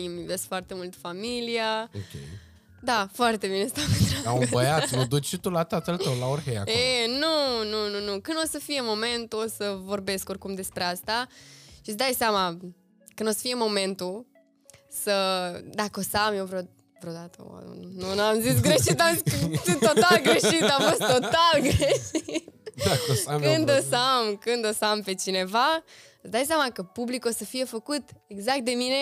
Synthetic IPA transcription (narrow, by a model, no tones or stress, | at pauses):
imveskfoart̪e̞mult̪familiaokʲḛj | d̪afoart̪e̞bine̞samt̪ɾaaũbəjat̪mud̪ut͡ʃʃit̪ulat̪at̪əlt̪əwlaoɾɦeja̰kenunununukɨnd̪o̞səfije̞mo̞me̞nt̪uosəvo̞rbe̞sko̞rkumd̪e̞spɾe̞ast̪aʃit̪sd̪ajseama | kɨnd̪osə̥fije̞mo̞me̞nt̪u | səd̪akəosamjewvɾeo | vɾeod̪at̪ə̰nunamzis̬ɡɾeʃit̪amiot̪alɡɾe̞ʃit̪amfostt̪ːo̞t̪alɡɾeʃit̪̚ | kɨnd̪osəamkɨnd̪o̞sampe̞t͡ʃine̞va | sd̪ajsjamakəpublikosəfije̞fəkut̪eɡzakt̪̚d̪e̞mine̞